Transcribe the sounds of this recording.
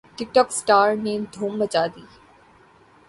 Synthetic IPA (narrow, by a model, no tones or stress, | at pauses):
ʈɪk̚ʈɔːksʈaːɾnẽːd̪ʱoːmbət͡ʃaːd̪iː